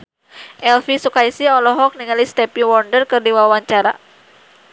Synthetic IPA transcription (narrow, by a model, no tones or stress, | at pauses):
ʔɛlfisukaisiɔlɔɦɔk̚niŋalist̪ɛpiwɔrdərkɨrdiwawaɲt͡ʃaɾa̰